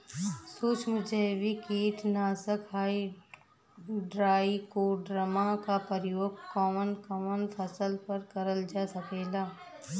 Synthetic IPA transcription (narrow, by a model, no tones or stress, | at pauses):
soːt͡ʃmʊd͡ʒʱeʋikeːt̪naːsəkɦaːi | ɖɾaːikoɖɾəmakapəɾɪjoːɡ̚kɔːmənkɔmənfʰɐsəlpɐɾkɐɾəld͡ʒaːsɐkeːlaː